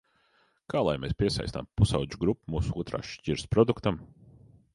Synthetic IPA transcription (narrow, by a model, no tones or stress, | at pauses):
kʰaːlˠajmeːspʲiɛsa̰jsna̰mpusawd͡ʒuɡɾupːumuːsuuɔt̪ɾa̰ːʃciɾspɾɔd̪ukt̪am